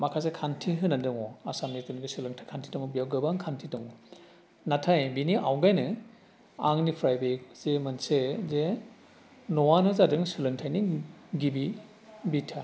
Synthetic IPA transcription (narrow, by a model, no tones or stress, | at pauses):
makʰas̬ekʰantʰiɦɯnadɯŋɔasamnitɯniɡesɯlɯŋtʰajkʰantʰi̥tɔŋɔbijawɡɯbaŋkʰantʰitɔŋɔ | natʰajbiniʔawɡajnɯ | aŋnipʰɾajbez̥emɯnseze | nɔwanɯzadɯŋsɯlɯŋtʰajniɡibi | bitʰa